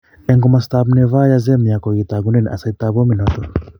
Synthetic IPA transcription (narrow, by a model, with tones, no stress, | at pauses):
ɛ˨ŋɡɔ˦ma˨st̪abnɛ˧va˦ja˦zɛ˦mi˨a˨kɔ˨i˨t̪a˨ɡu˦nɛ˦n˨ʔa̰˨sa˨it̪a˨bɔ˦mi˨nɔt̪ɔ